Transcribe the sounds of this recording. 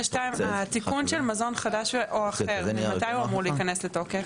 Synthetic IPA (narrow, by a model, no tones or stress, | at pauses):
ʃtaimat̪ikunʃelmazo̞nχadaʃʔoaχeʁat̪ajuamuʁliːkane̞sleto̞kef